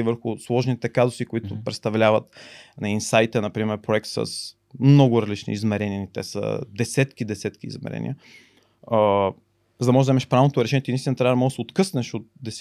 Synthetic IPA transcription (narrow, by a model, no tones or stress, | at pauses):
ivəɾxʊslˠɔʒnit̪ɛkazʊsikʊit̪ʊpɾɛt̪st̪ɐvlʲavɐt̪nɐinsajt̪ɛnɐpɾimɛɾpɾoɛk̚t̪sə̰s | mnɔɡʊɾɐzlit͡ʃnḭizmɛɾɛniənit̪ɛsə̰d̪ɛsɛt̪kid̪ɛsɛt̪kḭːzmɛ̰ɾɛ̰nḭə | zɐd̪ɐmɔʒɛd̪zɛmɛʃpɾavnot̪oɾɛʃɛnjɛt̪inist̪inət̪ɾavɐd̪ɐmɔd̪sɛot̪kɤsnɛʃot̪̚d̪ɛs